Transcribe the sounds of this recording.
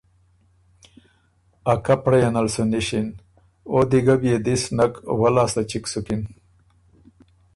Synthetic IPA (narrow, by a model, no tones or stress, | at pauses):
akapɽajanɐlsuniɕin | od̪iɡabjed̪isnɐkwɐlaːslɐt͡ɕiksukin